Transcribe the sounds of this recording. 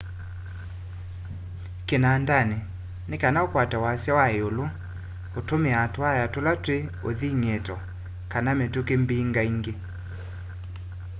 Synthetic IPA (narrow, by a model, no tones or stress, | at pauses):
kenandane | nekanaokwatawasjawaeolo | otomeatoajatolatweo̰ðiŋɛtɔ | kanametokembiːŋɡaiŋɡe